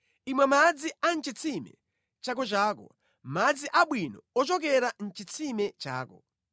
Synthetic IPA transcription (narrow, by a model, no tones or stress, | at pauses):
imwɛmad͡zian̩t͡ʃit͡sʰimɛ̰ | t͡ʃakɔt͡ʃaːkɔ̰ | mad͡ziʔaɓwinɔɔt͡ʃɔk̬ɛɾan̩t͡ʃit͡sʰimɛt͡ʃa̰ːkɔ̰